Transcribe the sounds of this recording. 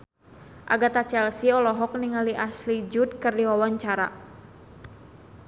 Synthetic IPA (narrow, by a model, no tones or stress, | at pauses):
ʔa̰ɡat̪at͡ʃɛlsiɔlɔɦɔk̚niŋaliʔaslid͡ʒʊt̪̚kərdiwawaɲt͡ʃaɾa̰